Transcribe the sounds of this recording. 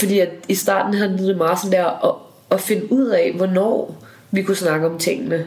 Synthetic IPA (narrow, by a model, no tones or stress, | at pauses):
fɒd̥ḭːæ̥isd̥ɑ̰̈ːd̥n̩ɦænððˠomɑ̈ːsɒnd̥eɐ̰̽ː | fe̝nəʔuð̰ˠɛʋɒnɒ̰ː | ʋikʰusnɑ̈ɡ̥əɒ̽mt͡sʰe̝ŋ̰ənə